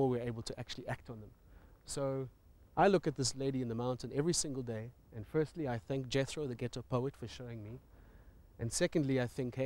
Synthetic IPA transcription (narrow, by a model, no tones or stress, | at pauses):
ɔwiə˞eɪbəl̩ˠtʰəʔæk̚t͡ʃul̩ˠiʔæk̚tn̩ðə̃msoʊ | ʔaɪlʊkɨt̪̚ðɪsleɪɾiɨ̃nðəmãʊ̃ntɨ̃nɛvɹisɪ̃ŋɡəlˠdeɪ | ɨ̃nfɜ˞stliaɪθæ̃ŋk̚d̥ʒ̥ɛθɹoʊðɨɡɛɾəpʰoʊətfə˞ʃoʊɪ̃ŋmi | ʔɨ̃nsɛkə̃ndˡliaɪθɪ̃ŋkh